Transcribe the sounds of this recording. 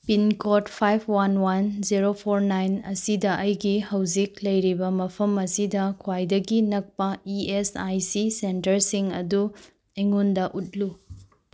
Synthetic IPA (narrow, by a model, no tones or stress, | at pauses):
pinkotpʰajpʰwanwanziɾopʰoɾnajnɐsidɐʔɐjɡihɐwzik̚lɐjɾibɐmɐpʰɐmɐsidɐkʰwajdɐɡinɐk̚pɐiesajsisentɐɾsiŋɐ̰du | eŋondɐʔut̚lu